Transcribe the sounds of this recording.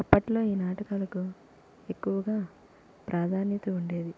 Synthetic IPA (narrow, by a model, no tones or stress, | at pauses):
ɐpːɐʈlo̞ːiːnaːʈɐkaːlɐku | e̞kːuʋɐɡaː | pɾʔaːd̪ʱaːnjɐt̪ɐuɳɖe̞ːd̪i